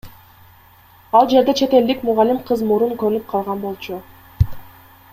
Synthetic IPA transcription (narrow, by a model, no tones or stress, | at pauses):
ɑlˠd͡ʒe̞ɾd̪e̞t͡ʃʰe̞t̪e̞ld̪ikmuʁalʲimqʰɯzmuɾuŋkɵøɾynyp̚qʰɑlˠʁɑnbo̞lˠt͡ʃʰu